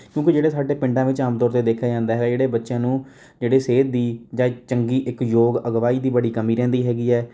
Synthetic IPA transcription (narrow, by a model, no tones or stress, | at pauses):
kjõːkɪd͡ʒeːɽeːsaːɖeːpɪ̃ɳɖãːʋɪt͡ʃaːmt̪ɔːɾt̪eːd̪eːkʰjaːd͡ʒãːnd̪aːɦɛːɡaːd͡ʒeːɽeːbətːʃjãːnũː | d͡ʒeːɽeːseːd̪̚ːiːd͡ʒãːt͡ʃəŋɡiːʔɪkjoːɡəɡʋaːiːd̪iːbəɽiːkəmiːɾɛ̃ːnd̪iːɦɛːɡiːɛː